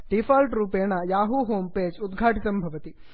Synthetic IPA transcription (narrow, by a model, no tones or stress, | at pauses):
ɖifaːlʈɾuːpeːɳɐjaːɦuɦoːmpeːd͡ʒud̪ɡʱaːʈit̪ɐmbʱɐʋɐt̪i